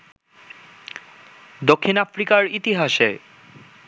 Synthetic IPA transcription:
d̪okʰːinafɾikaɾit̪iɦaʃe

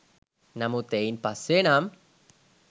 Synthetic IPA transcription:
namut̪ejnpasenam

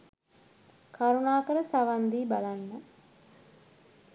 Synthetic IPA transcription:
kʰaɾunaːkəɾəsaʋand̪iːbalanːə

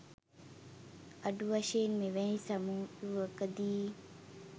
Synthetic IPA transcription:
ɐɖuʋɐʃeːnmeʋɛɦĩsamuːuʋəkəd̪iː

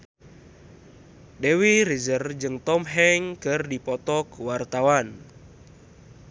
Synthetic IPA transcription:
dewiɾizərd͡ʒɨŋt̪ɔmɦɛŋkɨrdipɔt̪ɔkwart̪awan

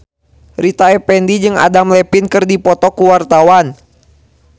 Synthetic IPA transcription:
rit̪aɛpɛndid͡ʒɨŋa̰damlɛpinkɨrdipɔt̪ɔkuwart̪awan

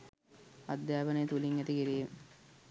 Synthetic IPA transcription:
ɐ̰d̪jaːbənejet̪uliŋɡæt̪ikiɾijem

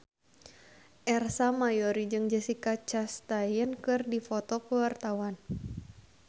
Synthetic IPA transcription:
ʔɛrsamajɔɾid͡ʒɨŋd͡ʒəsikat͡ʃast̪ajənkɨrdifɔt̪ɔpəwart̪awan

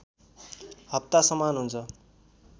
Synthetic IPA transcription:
hʌp̚t̪asʌmanɦunt͡sʰʌ

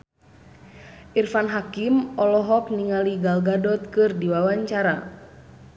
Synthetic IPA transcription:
ʔirfanɦakimɔlɔɦɔk̚niŋaliɡalɡadɔt̪̚kɨrdiwawaɲt͡ʃaɾa

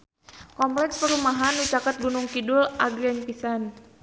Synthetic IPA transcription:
kɔmplɛkspəɾumaɦanwit͡ʃakat̪̚ɡunʊŋkidulaɡɾianpisan

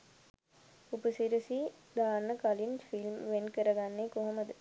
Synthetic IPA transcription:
upəsiɾəsi | d̪aːnːəkalinfilmʋenkəɾəɡanːekoɦoməd̪ə

